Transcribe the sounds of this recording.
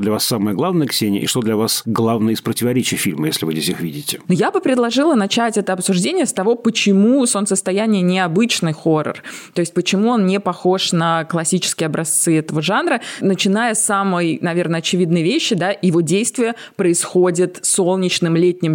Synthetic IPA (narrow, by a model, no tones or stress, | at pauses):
d̪lʲɐvasːaməjəɡlˠavnəjəksʲenʲɪ̰ə̰ʔɪ̰ʂt̪o̞d̪lʲɐvasɡlˠavnəjəɪspɾətʲɪvɐɾʲet͡ɕɪjəfʲilʲməjesʲlʲɪvɨzʲdʲesʲɨxvʲidʲɪtʲɪnojabɨpɾʲɪd̪lˠɐʐɨlˠənɐt͡ɕætʲɛt̪əɐpsʊʐdʲenʲɪjəst̪ɐvo̞pət͡ɕɪmusonsəst̪ɐjænʲɪjənʲɪɐbɨt͡ɕnɨjxo̞rə̰rt̪o̞ɪsʲt̚ʲpət͡ɕɪmuonnʲɪpɐxo̞ʂnəklˠɐsʲit͡ɕɪ̥skʲɪjɐbɾɐst̪sɨɛt̪əvəʐanɾənət͡ɕɪnajəsːamɨjnɐvʲe̞rnəɐt͡ɕɪvʲid̪nɨjəvʲeɕːɪd̪ajɪvo̞dʲejst̪vʲɪjə | pɾəɪsxo̞dʲɪt̪so̞lˠnʲɪt͡ɕnɨmlʲetʲnʲɪm